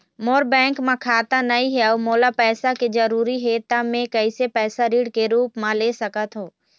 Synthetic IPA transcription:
moːɾbɛ̃ːŋkmãkʰaːt̪anɐĩɦɛomoːlapɛːsaked͡ʒɐɾuːɾiɦeːt̪amẽkɐisepɛːsaɾiːɽkeɾuːpmãleːsɐkət̪ɦoː

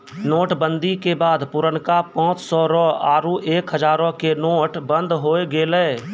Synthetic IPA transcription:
noːʈbə̃nd̪ʱikebaːd̪pʊɾəɳkapãːt͡ʃsɔɾɔːaːɾuʔeːkɦəd͡ʒaːɾõkenoːʈbə̃nd̪ɦoːeɡeːleː

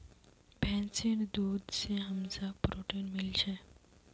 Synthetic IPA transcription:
bʱɛ̃nsind̪uːd̪seɦəmsapɾoʈenmɪlt͡ʃʰe

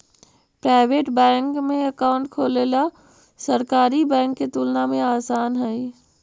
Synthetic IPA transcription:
pɾaːɪʋeːʈbɛ̃ːŋkmẽɐkaːʊ̃ɳʈkʰoːlela | sɐɾkaːɾibɛ̃ːŋkːet̪uːlnamẽaːsaːnɦɛi

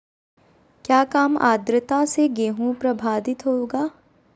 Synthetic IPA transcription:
kjaːkaːma̰ːd̪ɾət̪aseɡeːɦũpɾɐbʱaːd̪ɪt̪ɦoːɡaː

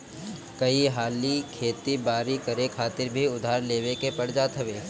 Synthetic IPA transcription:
kɐiɦaːlikʰeːt̪ibaːɾikɐɾekʰaːt̪ɪɾbʱiʊd̪ʱaːɾleːʋekepɐɽ̤d͡ʒat̪ʰɐʋeː

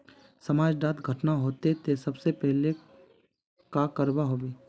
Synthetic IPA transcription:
sɐmaːd͡ʒɖaːt̪ɡʱɐʈnaɦoːt̪et̪esɐbsepɛɦle | kakəɾbaɦoːbiː

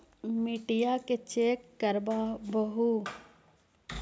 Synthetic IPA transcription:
miʈijaket͡ʃeːkːəɾbabəɦu

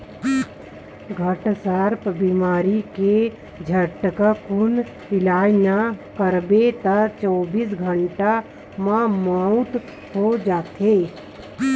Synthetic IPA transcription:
ɡʱəʈsaɾpbimaːɾike | d͡ʒʱəʈkakʊn | ɪlaːjnakəɾbet̪at͡ʃɔːbiːsɡʱəɳʈa | mãmãːʊʈ | hod͡ʒaːt̪ʰeː

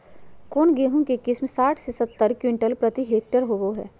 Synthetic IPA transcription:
koːnɡeːɦõkekɪsmsaːʈʰsesɐt̪ːəɾkwɪ̃ɳʈəlpɾət̪iɦeːk̚ʈəɾɦoɡoɦɛ̰ː

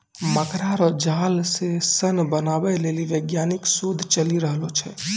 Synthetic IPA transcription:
məkɾaɾɔd͡ʒaːlsesənbənaːbɛleːliʋeɡjaːnɪksoːd̪ʱt͡ʃəliɾəɦlot͡ʃʰɛ

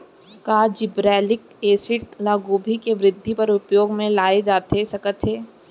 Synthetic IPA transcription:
kaːd͡ʒɪbɾɛːlɪk̚ | eːsɪʈlaːɡuːbʱikeʋɾɪd̪ʱːipɐɾʊpjoːɡmẽlaːed͡ʒaːt̪esɐkət̪ʰɦeː

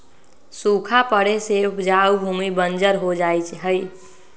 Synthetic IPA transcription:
sukʰapəɽesepʰd͡ʒaubʱumibənd͡ʒəɾɦod͡ʒajt͡ʃʰɦəj

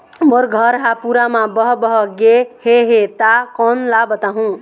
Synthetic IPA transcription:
moɾɡʱʌɾɦapuɾamabʌɦbʌɦʌɡeheɦet̪akɔnlabʌt̪aɦũ

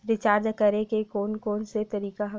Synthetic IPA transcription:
ɾɪt͡ʃaːɾd̪kɐɾẽkekoːnkoːnset̪ɐɾiːkaɦɐ

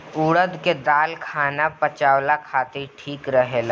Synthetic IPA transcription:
uːɽəd̪ked̪aːlkʰaːnapət͡ʃaːwlakʰaːt̪iɾʈʰiːkɾəɦela

